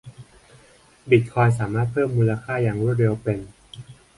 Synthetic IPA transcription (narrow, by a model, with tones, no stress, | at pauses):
bi˨˩t̪̚kʰɔː˧ns̬aː˩˦maː˥˩t̪̚pʰɤː˥˩mːuː˧la˧kʰaː˥˩jaː˨˩ŋɾu˥˩ət̪ɾe˧wpe˧n